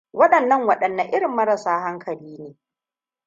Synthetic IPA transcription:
wɐ˦ɗɐ˨nːɐ˦ŋwɐ˨ɗɐ˨nːɐ˨˦ʔɪ˦ɽɪ˨mːɐ˦ɾɐ˨saː˦ɦa˦ŋkʰɐ˨liː˦neː˨

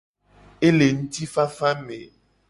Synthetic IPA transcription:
e˦le˨ŋũ˦t̪i˦fa˦fa˦mḛ̃˨

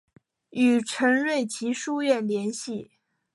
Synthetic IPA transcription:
y˨˩ʈ͡ʂʰɤ˧˥ŋɻwe˥˩ɪt͡ɕʰi˧˥ʂu˥˧ɥɛ˥˩nljɛ˧˥nɕi˥˩

